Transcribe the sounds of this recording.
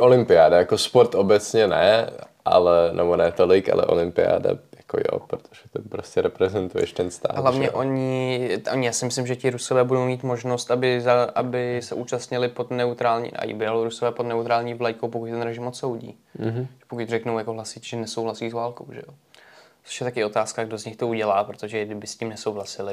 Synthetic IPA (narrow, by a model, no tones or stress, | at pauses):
ʔolɪmpɪaːdajakospoɾt̪obɛt͡sɲɛnɛ | ʔa̰lɛnɛbonɛːt̪olɪka̰lɛ̰ʔo̰lɪmpɪa̰ːda̰jako̰jo̰pɾot̪ʰoʒ̥ɛt̪opɾoscɛɾɛpɾɛzɛnt̪ujɛ̰ʃt̪ɛnst̪a̰ːɦlavɲɛʔo̞ɲɪʔoɲɪjaːsɪmɪslɪmʒɛcɪɾusovɛːbudo̞wmiːt̪mo̞ʒnost̪ʔabɪzaʔabɪsɛʔuːt͡ʃast̪ɲɪlɪpo̞d̪nɛut̪ɾaːlɲḭn̰ʔa̰jḭbɪjaloɾusovɛːpodnɛut̪ɾaːlɲiːvlajkowpokuc̚t̪ɛnɾɛʒɪmot̪so̞wɟḭː | ʒɛpokucr̝ɛknowjakoɦlasit̪ʒɛnɛso̞wɦlasiːzvaːlko̞wʒɛ̰jo | t͡so̥ʃjɛt̪akɪo̞t̪aːskaɡdo̞zɲɪxt̪o̞uɟɛlaːpɾot̪oʒɛɡdɪbɪsciːmnɛsowɦlasɪlɪ